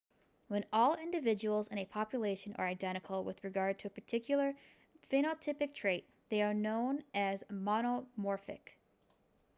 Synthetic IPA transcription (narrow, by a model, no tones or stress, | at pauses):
wə̃nɔlˠɪ̃ndɨvɪd͡ʒɨwl̩ˠzɨ̃nɨpʰɑpjəleɪʃɨ̃nʔə̰˞aɪdɛ̃ɾ̃ɨkʰl̩ˠwɪ̰ðɹɨɡɑɹd̚tʰɨɨpʰə˞tʰɪkʰjl̩ˠə˞ | fẽɾ̃otʰɪpɨk̚tʰɹ̥eɪt̪̚ðeɪə˞nõʊ̃nɨzmɑnomɔɹfɪ̰k